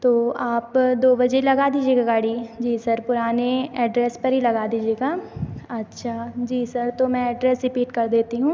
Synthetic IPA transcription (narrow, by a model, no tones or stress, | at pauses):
t̪oːaːpd̪oːbɐd͡ʒelɐɡad̪iːd͡ʒieːɡaɡaːɽid͡ʒiːsɐɾpʊɾaːneɛːɖɾɛːspɐɾɦilɐɡaːd̪iːd͡ʒieːɡaːɐtːʃʰad͡ʒiːsɐɾt̪omɛ̃ɛːɖɾɛːsɾɪpiːʈkɐɾd̪eːt̪iɦũː